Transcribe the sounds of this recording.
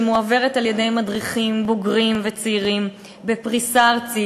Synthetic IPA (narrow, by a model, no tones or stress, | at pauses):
muave̞ʁetaljede̞jmadʁiχimboɡʁimvet͡siiʁim | bepʁisaʁt͡si